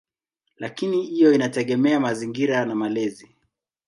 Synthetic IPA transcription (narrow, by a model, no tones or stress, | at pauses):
lakinihijɔinatɛɠɛmɛamaziŋɡiɾanamalɛzi